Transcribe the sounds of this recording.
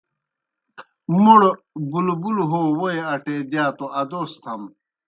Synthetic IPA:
muɽ | bulbulɦoːwoeɐʈeːd̪jaːt̪oɐd̪oːst̪ʰɐm

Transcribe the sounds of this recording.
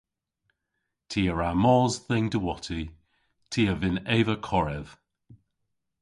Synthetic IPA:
tʰiːəɹamɔːzðɪŋdəwɔtʰi | tʰiːəvɪnɛːvəkʰɔɹɛð̥

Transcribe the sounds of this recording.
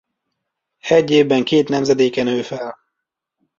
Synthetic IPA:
ɛɟːeːvbɛŋkeːt̪nɛmzɛd̪eːkɛnøːfɛl

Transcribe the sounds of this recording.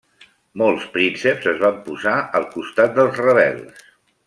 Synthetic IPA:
molˠspɾinsəpzəzβampuzaəlˠkust̪at̪̚d̪əlˠzrəβɛ̰lˠs

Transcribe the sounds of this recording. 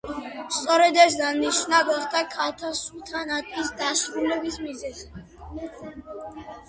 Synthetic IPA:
st̪sʼɔɾɛd̪ɛs̬d̪aniʃnaɡaχd̪akʰaɾt̪ʰasult̪ʰanat̪ʼisd̪asɾulɛbismizɛzi

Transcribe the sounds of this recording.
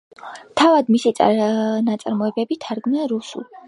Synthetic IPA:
t̪ʰavad̪misit̪sʼa̰nat̪sʼa̰ɾmɔɛbɛbit̪ʰaɾɡmiaɾusṵlˠ

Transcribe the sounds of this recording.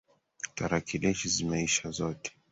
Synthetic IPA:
taɾakilɛʃizimaiʃazɔtɛ̥

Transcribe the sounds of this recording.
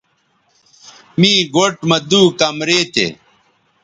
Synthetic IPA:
miːɡoʈmɐd̪uːkɐmɾeːt̪ḛ

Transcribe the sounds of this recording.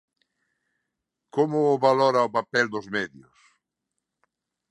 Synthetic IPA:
komʊːβalɔɾaopapɛld̪ʊzmɛðjʊs

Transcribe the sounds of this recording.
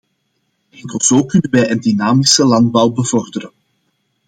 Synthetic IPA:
ɛŋkəlˠz̥oːkʏnənʋɛjəndinaːmisəlɑnd̚bɑwbəvɔrdəɾən

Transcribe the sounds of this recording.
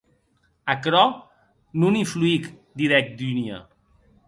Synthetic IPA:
akɾɔ | nuniɱfluik | d̪iɾɛk̚d̪yniə̰

